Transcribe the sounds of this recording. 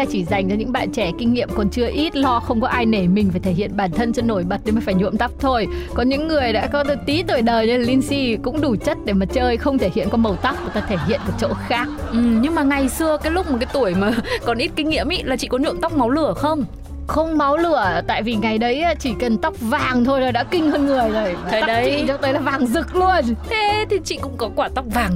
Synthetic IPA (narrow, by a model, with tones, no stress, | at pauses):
a˧t͡ɕi˧˩za˨˩jŋ̟t͡ɕɔ˧ɲɨ̰˧˥ŋɓa̰ː˧˨nt͡ɕɛ˧˩kï˧ŋ̟ːḭ˧˨əmkɔ˨˩nt͡ɕɨ˧əʔi˦˥t̚lɔ˧xə˧wŋ͡mkɔ˨˦ʔaː˧jne˧˩mï˨˩ŋ̟faː˧˩jt̪ʰe˧˩hḭ˧˨ənɓaː˧˩nt̪ʰə˧nt͡ɕə˧nːo˧˩jɓə˨˩t̚ɗe˨˧˩maː˨˩faː˧˩jɲṵ˧˨əmt̪a˦˥k͡p̚t̪ʰo˧jkɔ˨˦ɲɨ̰˧˥ŋːɨ˨˩əjɗa̰ː˧˥kɔ˨˦tt̪i˨˦t̪o˨˧˩jɗəː˨˩jɲi˧laː˨˩li˧nsi˧kʊ̰˧˥ŋ͡mɗu˧˩t͡ɕə˦˥t̚ɗe˧˩maː˨˩t͡ɕəː˧jxə˧wŋ͡mt̪ʰe˧˩hḭ˧˨ənkɔ˨˦mə˨˩wt̪a˦˥wp̚ku˨˩t̪aː˧t̪ʰe˧˩hḭ˧˨ənkə˨˩t͡ɕo̰˧˥xaː˦˥k̚ʔɨ˨˩ɲɨ˧ŋmaː˨˩ŋa˨˩jsɨ˧əkaː˨˦jlʊ˦˥k͡p̚mo˨˩kaː˨˦jt̪u˧˩əjmaː˨˩kɔ˨˩nʔi˦˥t̚ki˧ŋ̟ŋḭ˧˥əmʔḭ˧˥laː˨˩t͡ɕḭ˧˨kɔ˨˦ɲṵ˧˨ənt̪a˦˥wk͡p̚ma˨˦wlɨ˧˩əxə˧wŋ͡m | xə˧wŋ͡mma˨˦wlɨ˧˩ət̪a̰ː˧˨jvi˨˩ŋa˨˩jɗə˨˦jʔaː˨˦t͡ɕi˧˩kə˨˩nt̪a˦˥wk͡p̚vaː˨˩ŋt̪ʰo˧jzoː˨˩jɗa̰ː˧˥kï˧ŋ̟həː˧nŋɨ˨˩əjzo˨˩jaː˨˩˨ɗt͡ɕḭ˧˨t͡ɕɔ˧˦wt̪əː˨˦jlaː˨˩vaː˨˩ŋzɨ˨˩k̚lu˧ənt̪ʰe˨˦t̪ʰi˨˩t͡ɕḭ˧˨kʊ̰˧˥ŋ͡mkɔ˨˦kwaː˧˩t̪a˦˥wk͡p̚vaː˨˩ŋ